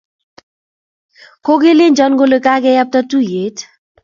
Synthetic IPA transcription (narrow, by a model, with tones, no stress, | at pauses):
ko˦ɡe˦lɪ˦nd͡ʒɔ˦nɡo˦le˨ka˦ɡɛ˦ja˦p̚ta˦tu˦je˨˦t